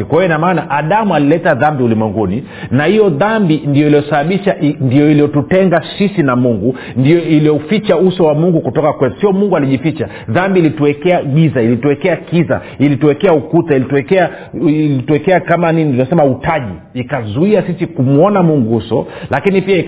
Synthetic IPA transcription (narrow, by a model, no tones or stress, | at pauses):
kwajɔinamaːnaʔaɗamualilɛtaðambiulimwɛŋɡuni | nahijɔðambindijɔilijɔsaɓaɓiʃaʔndijɔilijɔtutɛŋɡasisinamuŋɡu | ndijɔiliɔufit͡ʃausɔwamuŋɡukutɔkakwɛtu̥sijɔmuŋɡualiʄifit͡ʃa | ðambiːlituwɛkɛaɓizailituwɛkɛakiza̰ | ilituwɛkɛaukutailituɛkɛa | lituwɛkɛakamanininasɛmautaʄḭːkazuiasisikumuɔnamuŋɡuusɔlʔakinipiai